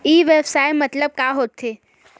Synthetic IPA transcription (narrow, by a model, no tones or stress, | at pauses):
iːʋeːbsaːɪmɐt̪ləb̚kaːɦoːt̪ʰːeː